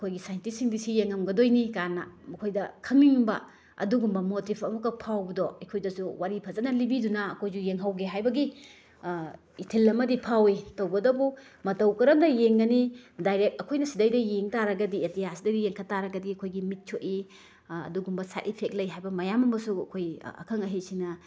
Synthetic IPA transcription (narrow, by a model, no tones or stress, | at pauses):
ɐkʰojɡisajntisiŋdisijeŋɐmɡɐdojnikanːɐ̰mɐkʰojdɐkʰɐmiŋbɐ̰ | ɐ̰duɡumbɐmotipʰɐmɐkːɐpʰawbɐdɔekʰojdɐsuwaɾipʰɐzɐnɐlibidunɐːkʰojzujeŋɦawɡeɦajbɐɡi | itʰilːɐmɐdipʰawitɐwbɐdɐbumɐtɐwkɐɾɐmdɐjeŋɡɐnidajɾek̚t̚ɐkʰojnɐsidɐjdɐjeŋtaɾɐɡɐdietijasidɐjdijeŋkʰɐtaɾɐɡɐdiɐkʰojɡimit̚t͡ʃʰoʔi | ɐ̰duɡumbɐsa̰ʔipʰek̚lɐjɦajbɐmɐjamɐmbɐsuɐ̰kʰojɐ̰kʰɐŋɐɦesinɐ